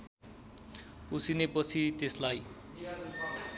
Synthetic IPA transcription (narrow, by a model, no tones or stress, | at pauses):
usinepʌt͡sʰit̪eslaj